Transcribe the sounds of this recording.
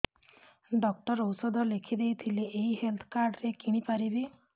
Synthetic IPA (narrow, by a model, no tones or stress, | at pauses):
ɖɔk̚ʈɔɾowsɔd̪ɔlekʰid̪ejt̪ʰileʔːɦiɦelt̪ʰɔ̥kaɾɖɾekiɽ̃ipaɾibi